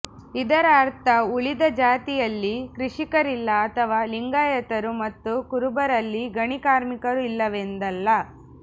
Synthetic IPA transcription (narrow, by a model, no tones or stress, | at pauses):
id̪ɐɾaːɾt̪ʰɐuɭid̪ɐd͡ʒaːt̪ijɐlːikɾiʂikɐɾilːɐːt̪ʰɐʋaːliŋɡaːjɐt̪ɐɾumɐt̪ːukuɾubɐɾɐlːiɡɐɳikaːɾmikɐɾuilːɐʋend̪ɐlːɐ